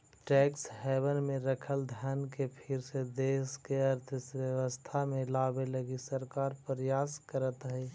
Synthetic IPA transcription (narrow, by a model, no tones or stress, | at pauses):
ʈɛːksɦɛːbənmẽɾəkʰəld̪ʱjaːnkepʰɪɾsed̪eːskeəɾt̪ʰəsʋjəʋəst̪ʰamẽlaːbeləɡisəɾkaːɾpɾəjaːskəɾət̪ɦɛː